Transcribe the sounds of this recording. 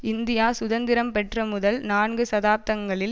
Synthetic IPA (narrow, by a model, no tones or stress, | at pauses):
ɪnd̪ɪjaːsʊðɐnd̪ɪɾɐmpɛʈrɐmʊðɐlnaːɳɡɯsɐðaːp̚t̪ɐŋɡɐɭɪl